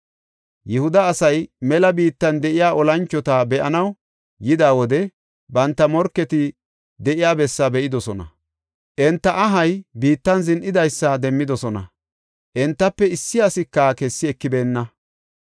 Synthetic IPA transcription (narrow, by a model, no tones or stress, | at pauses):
jɛhʊd̪ɐːsɐjmɛlɐbiːt̪ːɐnd̪ɛʔɪjaːʔɔlɐnt͡ʃːɔt̪ɐbɛʔɐ̰nɐw | jɪd̪aːwɔd̪ɛ | bɐnt̪ːɐmɔɾkːɛt̪ɪ | d̪ɛʔɪjaːbɛsːɐbɛʔɪd̪ɔsɔnɐ̰ | ʔɛnt̪ːɐʔɐɦɐjbiːt̪ːɐnzɪnʔɪd̪ɐjsːɐd̪ɛmːɪd̪ɔsɔnɐ̰ | ʔɛnt̪ːɐpːɛɪsːɪɐsɪkːɐkɛsːɪɛkːɪbe̞ːnːɐ